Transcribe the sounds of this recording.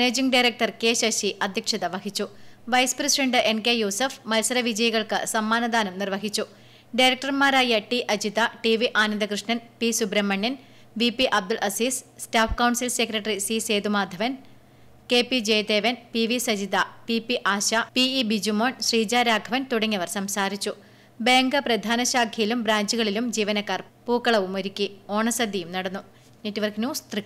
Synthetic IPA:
neːd͡ʑiŋɡɖɐjɾek̚ʈɐrke̞ːɕɐɕiʔɐd̪ʱjɐkʂɐðɐʋɐɦit͡ɕːuʋɐjspresiɖɐɳɖɨʔe̞nkejuːsɐfmɐlsɐɾɐʋid͡ʑɐjɐɣɐɭkɨsɐmːaːnɐd̪aːnɐmnirʋɐɦit͡ɕːu | ɖɐjɾɐk̚ʈɐrmaːɾaːjɐʈiʔɐd͡ʑiðɐʈiʋiʔaːnɐnd̪ɐkrɨʂɳɐnpisubɾɐmːɐɳːɐn | ʋipːiʔɐb̚d̪ulʔɐsiːsstaːfʰkɐwɳsilsekrɐʈɐrisise̞ːd̪umaːd̪ʱɐʋɐn | keːpːid͡ʑe̞ːjd̪eːʋɐnpiʋisɐd͡ʑiðɐpipːiʔaːɕɐpiibid͡ʑumoːɳɕriːd͡ʑaːɾaːɡʱɐʋɐnt̪uɽɐŋːɐʋɐrsɐmsaːɾit͡ɕːu | be̞ːŋɡɐprɐd̪ʱaːnɐɕaːkʰːijilumbɾaːɲd͡ʑuɣɐɭilumd͡ʑiːʋɐnɐkːaːr | puːkːɐɭɐʋumoɾikʲːio̞ːɳɐsɐd̪ʱːijumnɐɽɐnːu | netːiʋɐrknjuːst̪ri

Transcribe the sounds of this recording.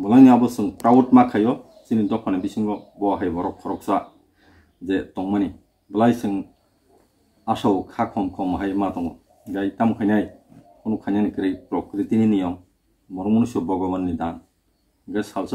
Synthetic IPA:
bɔlajnabɯsɯŋpɾawutmakʰajɔ | sinidɔpʰanabisiŋɡɔbɔɦajbɔɾɔkʰːɔɾɔk̚sa | zetɔŋmani | bɯlajsɯŋ | asawkʰakʰɔmkʰɔmɦajmatɔŋɔ̰ | ɡajtamkʰajnaj | kɔnukʰajnanikɾajpɾɔkɾitininijɔmː | ɔɾɔmɔnusɔbɔɡɔbanːidan | ɡɯsawsɯ

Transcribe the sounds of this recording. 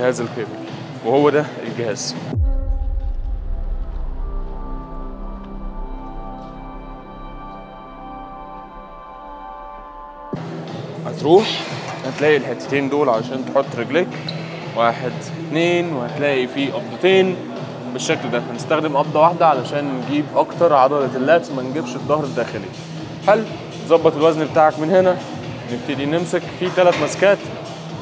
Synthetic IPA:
hæːzælkebel | wehowːæd̪æelɡehæːz̥ | hæt̪ɾuːħhæt̪læːʔilħet̪ːe̥t̪eːnd̪oːlʕalæʃæːnt̪eħot̪ˤːɾeɡlækwæːħed̪ | t̪neːnwehæt̪læːʔifiːʔɑb̚d̪ˤɑt̪eːn | beʃːækld̪æhænest̪æxd̪emʔɑb̚d̪ˤɑwaħd̪æʕalæʃæːnːeɡiːbʔɑkt̪ɑɾˤʕɑd̪ˤɑlɑt̪elːæːt̪mænɡebʃed̪ˤːɑhɾed̪ːæːxeli | hælː | zˤɑbːɑt̪ˤelwæznbet̪aːʕekmenhenæ | neb̚t̪ed̪inemsækfit̪ælæt̪mæskæːt̪

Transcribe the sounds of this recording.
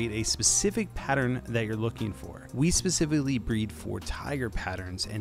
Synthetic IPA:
eɪɾɨspɨsɪfɨk̚pʰæɾə̃˞nðɨt͡ʃə˞lʊkɪ̃ŋfɔ̰ɹwispɨsɪfɨklibɹid̥fə̰ɹtʰaɪɡə˞pʰæɾə̃˞nzɨ̰̃

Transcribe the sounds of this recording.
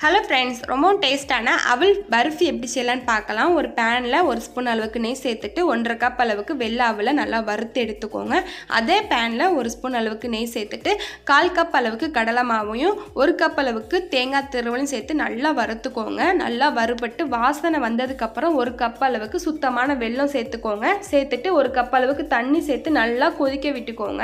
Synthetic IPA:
hɛloːfɾɛɳɖsɾʔɔmbɐ̃ʈeːsʈaːnɐʔɐ̰ʋɐɭbɐɾɯfiɛpːɐɽisɛjlaːnɯpaːɾkɐlãːɔɾɯpaːnlɐɔɾɯspunɐlɐʋɯkːɯnɛjseːt̪ːɯʈːɯɔndrɐkɐpːɐlɐʋɯkːɯʋɛlːaːɐʋɯlɐnɐlːaːʋɐɾɯt̪ːɯɛɽɯt̪ːɯkːo̰ːŋɡɐʔɐ̰ðeːpaːnlɐɔɾɯspunɐlɐʋɯkːɯnɛjseːt̪ːɯʈːɯkaːlkɐpːɐlɐʋɯkːɯkɐɽɐlɐmaːʋɐjʊ̃ɔɾɯkɐpːɐlɐʋɯkːɯt̪eːŋɡaːt̪ːɪɾɯʋɐljʊ̃sɛjt̪ːɯnɐlːaːʋɐɾɯt̪ːɯkːoːŋɡɐnɐ̰lːaːʋɐɾɯpːɐʈːɯʋaːsɐnɐʋɐnd̪ɐðɯkːɐpːɯɾɐ̃ɔɾɯkɐpːɐlɐʋɯkːɯsʊt̪ːɐmaːnɐʋɛɭːɐ̃seːt̪ːɯkːoːŋɡɐseːt̪ːɯʈːɯɔɾɯkɐpːɐlɐʋɯkːɯt̪ɐɳːisɛjt̪ːɯnɐlːaːkɔðɪkːɐʋɪʈːɯkːo̰ːŋɡɐ̰

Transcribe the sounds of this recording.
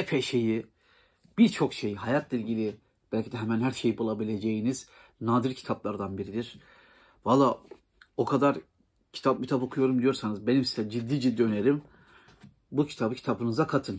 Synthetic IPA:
ɛpʰeʃe̞ji | b̥iɾt͡ʃʰo̞kʃe̞jɦajat̪ʰlʲˠɛilʲɟilʲi | b̥ælʲcʰid̪ɛɦɛmænɦæɾʃe̞jibulˠabilʲe̞d͡ʒe̞jiniz̥ | naːd̪ɯɾcʰi̥t̪ʰaplˠaɾd̪anbiɾid̪iɾ̥ | valˠːaː | o̞kʰad̪aɾ | cʰi̥t̪ʰap̚mit̪ʰapo̞kʰujo̞ɾumd̪ijo̞ɾsanɯzbe̞nimsizɛd͡ʒid̪ːiːd͡ʒid̪ːiːø̞ne̞ɾim | bucʰi̥t̪ʰabɯcʰi̥t̪ʰabɯnɯzakʰat̪ʰɯn

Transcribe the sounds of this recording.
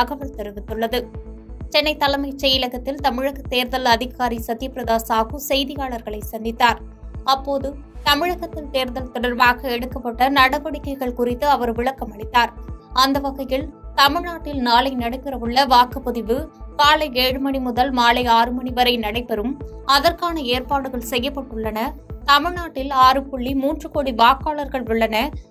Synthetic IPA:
ɐɣɐʋɐɭt̪ɛɾɯʋɪt̪ːɯɭːɐðɯ | t͡ʃɛnːɐɪt̪ːɐlɐɪmɐɪt͡ʃɛjɪlɐɣɐt̪ːɪlt̪ɐmɪɻɐɣɐt̪eːɾðɐlɐðɪɣaːɾisɐðɪjɐpɾɐðaːsaːɣɯsɛjðɪjaːɭɐɾɣɐɭɐɪsɛnd̪ɪt̪ːaːɾ | ɐpːoːðɯt̪ɐmɪɻɐɣɐt̪ːɪlt̪eːɾðɐlt̪ɔɽɐɾʋaːɣɐɛɽɯkːɐpːɐʈːɐnɐɽɐʋɐɽɪkːɐɪɣɐɭkʊrɪt̪ːɯɐʋɐɾʋɪɭɐkːɐmɐɳɪt̪ːaːɾɐnd̪ɐʋɐɣɐjɪlt̪ɐmɪɻnaːʈːɪlnaːlɐɪnɐɽɐɪpːɪɾɐʋɯɭːɐʋaːkɯpɔðɪʋɯkaːlɐɪeːɻɯmɐɳimʊðɐlmaːlɐɪaːɾɯmɐɳiʋɐɾɐɪnɐɽɐɪpːɛɾɯmɐðɐrkaːnɐeːɾpaːɽɯɣɐɭsɛjːɐpːɐʈːɯɭːɐnɐt̪ɐmɪɻnaːʈːɪlaːɾɯpɔɭːimuːndrɯkoːɽiʋaːkaːɭɐɾɣɐɭʋʊɭːɐnɐ

